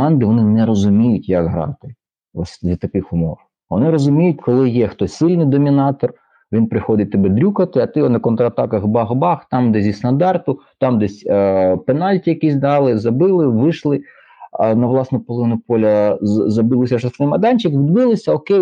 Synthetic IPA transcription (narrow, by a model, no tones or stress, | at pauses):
ɑnd̪ɪʋɔnɪnɛɾɔzʊmʲijʊtʲjɐɡɦɐɾɑ̰nt̪ɪ | ɔsʲd̪lʲɐt̪ɐkɪxʊmɔw | ʋɔnɪɾɔzʊmʲijʊtʲkɔlˠɪjɛxt̪ɔsʲsɪlʲnɪjd̪ɔmʲinɑt̪ɔr | ʋʲinpɾɪxɔd̪ɪt̚ʲt̪ɪbɛd̪ɾʲukɐt̪ɪɐt̪ɪnɐkɔnt̪ɾɐɐt̪ɑkɐxbɑɦbɑxt̪ɑmd̪ɛzʲist̪ɐnd̪ɑrt̪ʊt̪ɑmd̪ɛsʲpenɑlʲtʲijɐkisʲd̪ɑlˠɪzɐbɪlˠɪʋɪʃlˠɪ | nɐʋlˠɑsnʊpɔlˠɪnʊpɔlʲɐzɐbɪlˠɪsʲɐʂɔsɪmɐd̪ɑnʲt͡ʃɪkʋʲɪd̪bɪlˠɪsʲɐɔkej